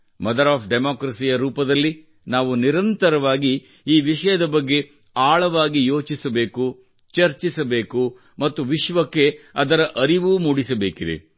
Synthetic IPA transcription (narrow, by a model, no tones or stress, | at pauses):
mɐd̪ɐɾaːpɖemaːkɾɐsijɐɾuːpɐd̪ɐlːi | naːʋuniɾɐnt̪ɐɾɐʋaːɡi | iːʋiʃɐjɐd̪ɐbɐɡːe̞ | aːɭɐʋaːɡijo̞ːt͡ʃisɐbeːku | t͡ʃɐɾt͡ʃisɐbe̞ːku | mɐt̪ːuʋiʃʋɐkːe̞ɐd̪ɐɾɐʔɐɾiʋuːmuːɽisɐbe̞ːkid̪e̞̰